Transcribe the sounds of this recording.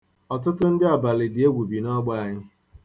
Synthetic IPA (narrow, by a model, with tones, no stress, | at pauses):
ɔ˨t̬ʊ˦tʊ˦n̩˦dɪ˦a˨ba˨lɪ˨dɪ˨e˦ɡʷu˨bi˨nɔ˦ɡ͡ba˦a˨ɲɪ˦